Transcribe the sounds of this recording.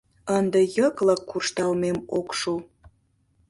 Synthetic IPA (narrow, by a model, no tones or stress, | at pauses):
ənd̪ejəkləkːurʃt̪ɑlmemokʃu